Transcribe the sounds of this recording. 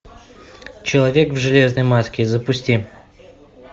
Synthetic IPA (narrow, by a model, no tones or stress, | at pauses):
t͡ɕɪlˠɐvʲe̞kvʐɨlʲe̞znəjmaskʲɪzəpʊsʲtʲi